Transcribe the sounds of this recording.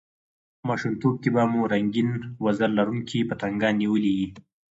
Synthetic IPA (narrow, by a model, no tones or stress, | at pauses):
mɑʃunt̪ob̚kebamuɾaŋɡinwazalːaɾuŋkʰipət̪aŋɡɑnːiwəliwi